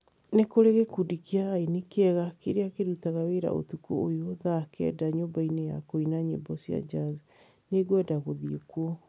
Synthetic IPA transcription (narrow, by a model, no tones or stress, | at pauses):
nekoɾeɣekudikeaːinikeɛɣakeɾeakeɾutaɣaweɾa̰ʔo̰tukuojoðakɛ̰daɲobaineja̰koinaɲḛbɔsia̰d͡ʒaz | neɡwɛdaɣoðiekwɔ